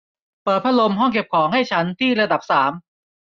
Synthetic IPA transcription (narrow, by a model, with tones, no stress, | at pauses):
pɤː˨˩t̪̚pʰa˦˥lo˧mɦɔ˥˩ŋke˨˩p̚kʰɔː˩˦ŋɦa˥˩jt͡ɕʰa˦˥nt̪ʰiː˥˩ɾa˧da˨˩p̚saː˩˦m